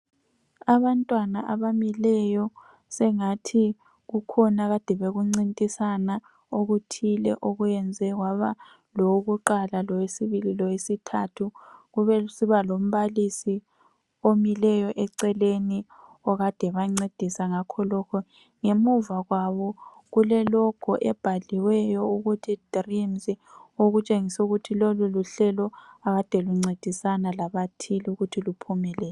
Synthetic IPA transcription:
aβantʼwanaʔaβamilɛjɔ | sɛŋatʰi | ɣukʰɔnaɣad̥ʱɛβeɣuŋ͡ǀintʼisana | oɣutʰilɛ̰ʔoɣujɛnd͡zʱɛɣwaβa | lɔwoɣuǃalalɔwesiβililɔwesitʰatʰuɣuβɛsiβalom̩βalisi | omilɛjɔʔɛǀɛleni | ɔɣad̥ʱɛβaŋ͡ǀed̥ʱisaŋakʰɔlɔkʰɔ | ŋemuvaɣwaβɔ | ɣulɛlɔkʰɔʔɛb̥ʱaliwɛjɔuɣutʰid̥ʱrimzioɣut͡ʃʼeŋisɛuɣutʰiloluluɬɛlɔaɣad̥ʱɛluŋ͡ǀed̥ʱisanalaβatʰiluɣutʰilupʰumɛlɛːl

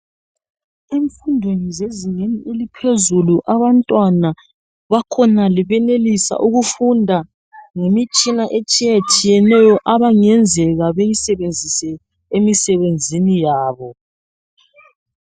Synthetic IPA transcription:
eɱfundʱwenizeziŋeniʔelipʰezuluʔaβantʼwana | βakʰɔnaliβɛnelisa̰ʔuɣufundʱa | ŋemit͡ʃʼinaʔet͡ʃʼijat͡ʃʼijɛnɛjɔʔaβaŋɛnd͡zʱɛɣaβejisɛβend͡zʱisɛ | emisɛβend͡zʱinijaːβɔ

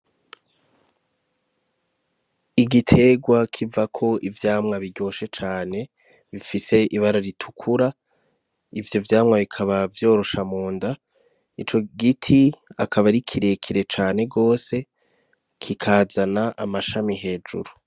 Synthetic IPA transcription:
iɡitʰe̞ɡwakʰivakʰo̞ʔivjaːmŋaβiɟo̞ːʃe̞t͡ʃaːne̞ | βifise̞ʔiβaɾaɾitʰu̥kʰuɾa | ivjo̞vjaːmŋaβikʰaβavjo̞ɾo̞ʃamuːnda | it͡ʃo̞ɡitʰiakʰaβaɾikʰiɾe̞kʰiɾe̞t͡ʃaːne̞ɡo̞ːse̞ | kʰikʰaːzanaʔamaʃamiɦe̞ːd͡ʒṵɾu

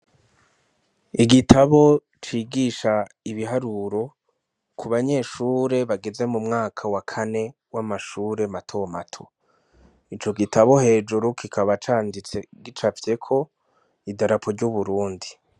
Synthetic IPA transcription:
iɡitʰaβo̞ | t͡ʃiːɡiʃa | iβiɦaɾuɾo̞ | kʰuβaɲe̞ːʃuːɾe̞βaɡe̞ze̞mumŋaːkʰawakʰane̞ | wamaʃuːɾe̞matʰo̞matʰo̥ | it͡ʃo̞ɡitʰaβo̞he̞ːd͡ʒuɾukikʰaβat͡ʃaːndit͡se̞ɡit͡ʃafje̞kʰo̞ | idaɾapʰoɾɟuβuɾuːndi

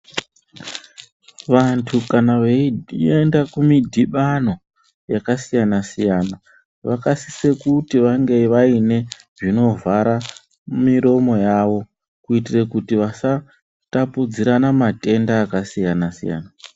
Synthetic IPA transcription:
ʋantʰukanaʋeendakumidʱiɓano̞ | jakasijanasijana | ʋakasise̞kutiʋaŋɡe̞ʋaine̞ | ʐino̞vʱaɾa | miɾo̞mo̞jaʋo̞ | kuitirekutiʋasa | tapud͡ziɾanamate̞ndaːkasijanasija̰ːna

